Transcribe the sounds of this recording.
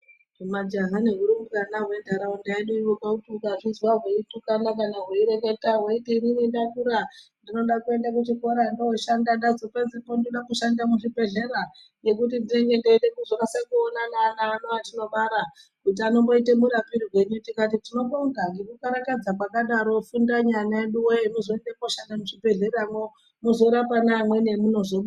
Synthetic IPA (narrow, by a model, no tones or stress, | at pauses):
umad͡ʒaɦane̞ɦuɾumukanaɦwe̞ndʱaɾaundaiɗoiwokakutukaʐizwaɦweitukanakanaɦweiɾeketaɦweitiɾinindatuɾandino̞ɗakue̞ndak̬ut͡ʃiko̞ɾandooʃandandazokazipondinoɗakuʃandamuʐibe̞ɮe̞ɾa | ne̞k̬ut̬indine̞ŋɡe̞ndeitekuzokasakuonananaːnoatino̞ɓaɾa | kut̬iano̞mbo̞itemuɾapiɾirwe̞ɲutikatitino̞ɓouɡaŋɡekukaɾakad͡zakwakaɗaɾo̞fundaɲanaeɗuweemuzoendepoʃandamuʐibe̞ɮe̞ramo | muzoɾapanamwe̞ne̞muno̞ʐoɓu